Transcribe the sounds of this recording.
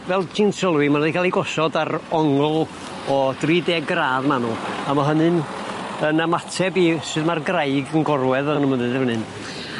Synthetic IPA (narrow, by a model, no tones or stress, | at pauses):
vɛlˠtʰiːnsʰɔlˠwimanɔdikʰalˠiɡɔsɔdaɾɔŋlˠ | ɔd̥riːdeːɡraːðmanuamaɦənɨn | ənamatʰɛbiːsɨːðmarɡrajɡənɡɔrwɛðənumənɨndəhənɨn